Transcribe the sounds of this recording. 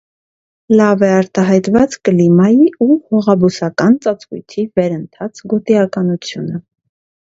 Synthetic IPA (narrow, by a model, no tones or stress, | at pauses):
lɑvɛɑɾt̪ɑɦɑjt̪vɑt͡skəlimɑjiuhɔʁɑbusɑkɑnt͡sɑt͡svṵjt̪ʰivɛɾənt̪ʰɑt͡sɡɔt̪iɑkɑnut͡sʰjunə